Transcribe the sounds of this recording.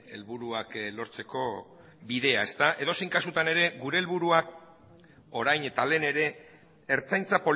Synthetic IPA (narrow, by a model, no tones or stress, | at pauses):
elβuɾuaklo̞ɾt͡se̞ko̞ | biðe̞ae̞st̪aʔe̞ðo̞sejŋkasut̪ane̞ɾe̞ɡuɾe̞ːlβuɾuak̚ | o̞ɾajne̞t̪ale̞ne̞ɾe̞ː | ɾt͡sajnt͡sapo̞